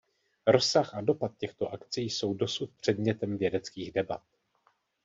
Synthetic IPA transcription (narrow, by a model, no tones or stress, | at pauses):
ɾo̞sːaxʔado̞pat̪̚cɛxt̪o̞ʔakt͡sijso̞wdo̞sut̪̚pr̝̥ɛdmɲɛt̪ɛmvjɛdɛt͡skiːɣdɛbat̪̚